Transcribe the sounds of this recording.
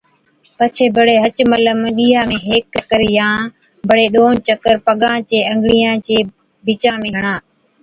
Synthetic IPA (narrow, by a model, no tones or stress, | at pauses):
pət͡ʃʰeːbʱəɽeːɦət͡ʃmələməɠiːɦãːmẽːɦeːkːəkəɾjãː | bʱəɽeːɗoːt͡ʃəkəɾpəɠãːt͡ʃeːə̃ŋɡɽijãːt͡ʃeː | bɪt͡ʃãːmẽːɦəɳ̃ãː